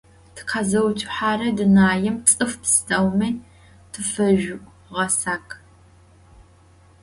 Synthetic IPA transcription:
tʰɨ̥qʰazɐwt͡ʃʼħaːrɐdɨnaːjɛmt͡sʼɨftʰɨstʰɐwmɐː | tʰɨfɐʒʊʔʷʼ | ʁɐsaːkʰʼ

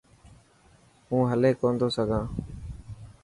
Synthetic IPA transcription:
ɦũːɦəleːkoːnd̪oːsəɡʱãː

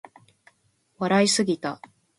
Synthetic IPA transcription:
βaɾaisɨɡʲit̪a

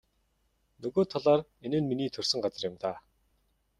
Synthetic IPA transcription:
nɵɣoːt̪ʰaɮaːrenɘ̆nminiːt̪ʰɵr̥ʲsɵ̆ŋɢat͡sə̆rjɪ̆mt̪aː

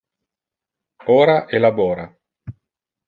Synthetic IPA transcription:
oːɾaʔelabɔːɾa

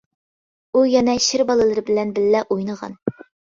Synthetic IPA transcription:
ujɛnɛʃɪɾbɑlˠɨlˠɨɾɨbɪlɛnbɪlːɛʔojnəʁɑ̰n

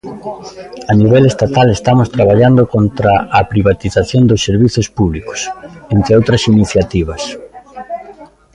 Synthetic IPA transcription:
aniβ̞elest̪at̪alest̪amʊst̪ɾaβ̞aʎand̪okont̪ɾaːpɾiβ̞at̪iθaθjond̪osːeɾβiθʊspuβlikʊ̥sent̪ɾɪowt̪ɾɐsiniθjat̪iβɐs

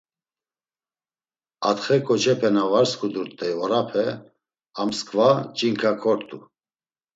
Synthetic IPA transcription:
at̪χɛkʼɔt͡ʃʰɛpʰɛnavaɾskʰud̪uɾt̪ʼɛvɔɾapʰɛ | amskʼvat͡ʃʼiŋkʰakʰɔɾt̪ʼu

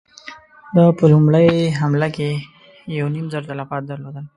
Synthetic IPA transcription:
d̪ɑpəlumɽəjɦamlake | jawnimzaɾt̪alafɑt̪̚d̪aɾlod̪əl

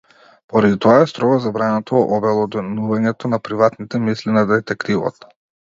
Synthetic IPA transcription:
pɔɾad̪it̪ɔaɛst̪ɾɔɡazabɾanat̪ɔʔɔbɛlˠɔd̪ɛnuvaɲɛt̪ɔnapɾivat̪nit̪ɛmislinad̪ɛt̪ɛkt̪ivɔ̰t̪

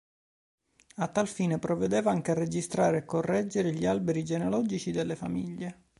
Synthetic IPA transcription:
at̪ːalfiːnepɾovːed̪eːvaaŋk̟earːed͡ʒist̪ɾaːɾeːkːorːɛd͡ʒːeɾeʎialbeɾid͡ʒenolɔːd͡ʒit͡ʃid̪elːefa̰mḭʎːe

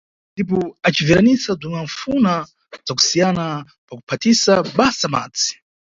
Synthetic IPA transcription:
ndip̬ɔat͡ʃiviɾanisab͡ʐuŋaɱffuna | d͡zak̬u̥sijana | paku̥pʰatisaɓasama̰ːd͡zi̥

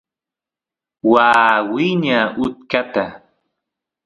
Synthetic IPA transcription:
waːwɪɲaʔʊt̪̚kat̪a

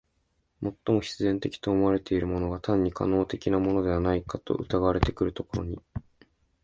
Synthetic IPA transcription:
mo̞t̪ːo̞mo̞çi̥t͡sɨzẽ̞nt̪e̞kʲi̥t̪o̞ːmo̞βaɾe̞t̪e̞iɾɯ̟mo̞no̞ɡat̪ãɲ̟ːikʰa̰no̞ːt̪e̞kʲinamo̞no̞d̪e̞βanaikat̪o̞̰ʔɯ̟̰t̪aɡaβaɾe̞t̪e̞kɯ̟ɾɯ̟t̪o̞ko̞ɾo̞̰ɲ̟i

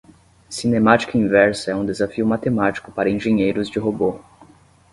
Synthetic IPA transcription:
sinemat͡ʃi̥kɐĩvɛɾsɐɛũd̪ezafiʊmat̪emat͡ʃi̥kʊpaɾɐẽʒẽɲejɾʊzd͡ʒɪɦobo

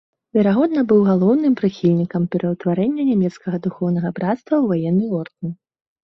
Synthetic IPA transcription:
vʲɛɾaɣɔd̪nɐbɨwɣalˠɔwnɨmpɾɨxʲilʲnʲikɐmpʲɛɾɐwt̪vaɾɛnʲːɐnʲamʲɛt̪skɐɣɐd̪uxɔwn̪ɐɣɐbɾat̪st̪vɐwvajɛnːɨɔrd̪n

